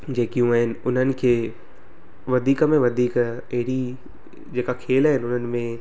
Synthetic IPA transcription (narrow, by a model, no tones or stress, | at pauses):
d͡ʒeːkijũɛɪnʊnɦənɪ̆kʰe | ʋɐd̪ʱiːkmẽʋɐd̪ʱiːk | eɦɪɽi | d͡ʒeːkakʰeːlɦɛnʊn̤ənɪ̆mẽ